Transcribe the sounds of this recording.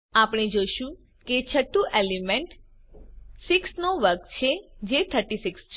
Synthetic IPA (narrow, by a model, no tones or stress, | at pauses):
apɽ̃ed͡ʒoʃũ | ket͡ʃʰəʈːũʔelimeɳʈ | sɪksnoʋəɾkt͡ʃʰed͡ʒet̪ʰəɾʈisiks